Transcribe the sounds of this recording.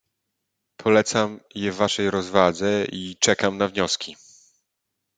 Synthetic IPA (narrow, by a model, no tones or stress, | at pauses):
pʰɔlɛt̪samjɛvːaʂɛjɾɔzvad̪zɛit͡ʂɛkamnavɲɔskʲi